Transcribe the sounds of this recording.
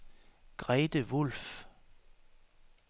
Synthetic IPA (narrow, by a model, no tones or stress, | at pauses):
ɡ̥ʁɛːd̥əʋɔlf